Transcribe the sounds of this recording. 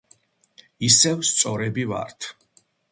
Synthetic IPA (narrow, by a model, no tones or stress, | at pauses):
isɛvst̪sʼɔɾɛbiva̰ɾt̪ʰ